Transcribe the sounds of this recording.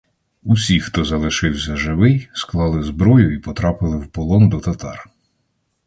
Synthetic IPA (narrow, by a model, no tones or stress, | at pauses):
usʲixt̪ɔzɐlˠɪʃɪwsʲɐʒɪʋɪjsklˠɑlˠɪzbɾɔjʊipɔt̪ɾɑpɪlˠɪwpɔlˠɔnd̪ɔt̪ɐt̪ɑr